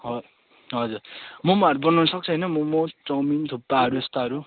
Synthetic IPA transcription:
ɦʌ | ɦʌd͡zurmomoaʌɾubʌnanʌsʌk̚t͡sʰʌɦʌjnʌmomoʈʌmint̪ʰopːaʌɾuest̪aʌɾu

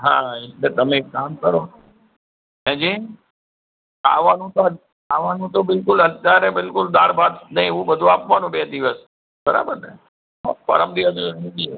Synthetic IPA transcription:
ɦã̰eʈlet̪əmẽaːmkəɾo | ẽd͡ʒi | a̰ʋanũt̪oɦə | aʋanũt̪obɪlkʊlɦət̪jaɾebɪlkʊld̪aɾbʱad̪nəĩʋũbəd̪ʱũapʋanũbeːd̪ɪʋəs | bəɾa̰bəɾne | ɔ̰pə̰ɾəmd̪iʋəsenid͡ʒie

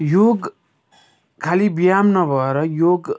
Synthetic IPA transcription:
joɡ | kʰalibijamnʌbʱʌeɾʌjoɡ

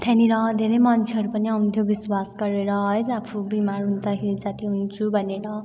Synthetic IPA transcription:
t̪ʰaniɾʌd̪ʱeɾʌjmʌnt͡sʰeɦʌɾupʌniʌw̃nt̪ʰjobiswasɡʌɾeɾʌɦʌjd͡zapʰubimarɦund̪akʰeɾid͡zat̪iɦunt͡sʰubʱʌneɾʌ

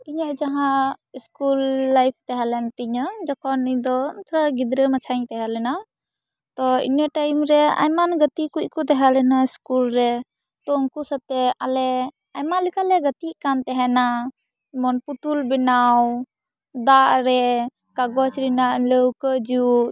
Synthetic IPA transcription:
iɲaʔd͡ʒaɦãiskulːajp̚ʰt̪ɛɦɛlɛnt̪iɲɔd͡ʒɔkʰɔniɲd̪ɔt̪ʰɔɾaɡid̪ɾəmat͡ʃʰaɲt̪ɛɦalɛna | t̪ɔḭɲəʈajmɾɛa̰jmanɡət̪ikuc̚kɔt̪ɛɦalɛnaiskulɾɛ | t̪ɔŋkusat̪ɛalɛ | ajmanlikalɛɡət̪iʔkant̪ɛɦɛna | mɔnput̪ulbɛnaw | d̪aʔɾɛ | kaɡɔsɾinaʔləwkəd͡ʒiu

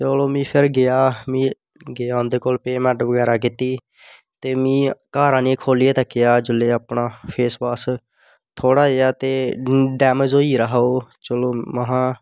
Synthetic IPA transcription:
t͡ʃəloːmĩːpʰɪɾɡɪaːmĩː | ɡeaːʊnd̪eːkoːlpeːmɛ̃ːɳʈʋəɡɛːɾaːkiːt̪iː | t̪eːmĩːkaːɾãːniːkʰoːlieːt̪akːɪjaːd͡ʒɪleːəpɳaːpʰeːspaːs | t̪ʰoːɽaːejaːt̪eːɖɛːmed͡ʒoːiːɾəɦoːt͡ʃəloːməɦãː

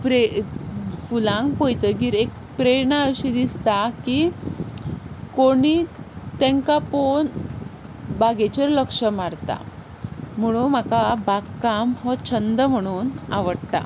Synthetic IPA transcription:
pɾe | fulãŋɡpojt̪əɡiɾek̚ | pɾeɳaəɕid̪ist̪aki | koɽ̃it̪ẽŋkapoɳ | baɡet͡ɕəɾləkʂəmaɾt̪a̰ | m̤əɽ̃um̤akabaɡkːamɦɔt͡ɕʰənd̪əm̤əɽ̃uːnaʋəɽt̪a̰

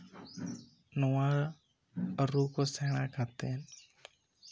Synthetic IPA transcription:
nɔwaɾ | əɾukɔsɛɽ̃akat̪ɛn

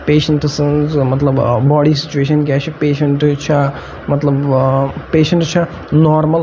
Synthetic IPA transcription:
peːʃɐɳʈsɨnzmɐt̪ləbbaːɽisi̥t͡ʃueːʃ̬ɐnk̬ʲaːt͡ʃʰipeːʃɐɳʈt͡ʃʰa | mɐt̪lɐbpeːʃɐ̃ɳʈt͡ʃʰɐ | nɔːɾməl

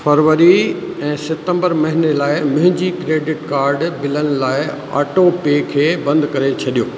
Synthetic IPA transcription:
fɐɾʋəɾiɛ̃ːsɪt̪ə̃mbəɾmɐɦɪnelaːɪmʊ̃ɦɪ̃ɲd͡ʑikɾeːɖɪʈkaːɾɖbɪlənɪ̆laːɪ | a̰ːʈopekʰeːbɐ̃nd̪kɐɾet͡ɕʰɐɗijoː

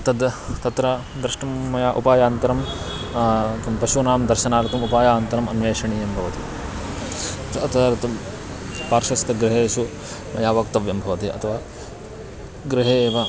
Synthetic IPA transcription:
t̪ɐd̪t̪ɐt̪ɾɐ | d̪ɾɐʂʈɐmːɐjaːʔupaːjaːnt̪ɐɾɐm | t̪ɐmpɐʃunaːmd̪ɐɾʃɐnaːɾt̪ɐmupaːjaːnt̪ɐɾɐmɐnʋeːʂɐɳiːjɐmbʱɐʋɐt̪i | t̪ɐt̪ːɾt̪ɐm | paːɾʃɐst̪ɐɡɾɪɦeːʃu | mɐjaːʋɐkt̪ɐʋjɐmbʱɐʋɐt̪iɐ̰t̪ʰɐʋaː | ɡɾɪɦeːʋɐ

